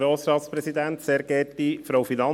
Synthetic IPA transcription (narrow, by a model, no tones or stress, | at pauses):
ɾoːsɾɑːt̪spɾɛsid̪ænt̪seːɾɡ̥eːtifɾowfinɑn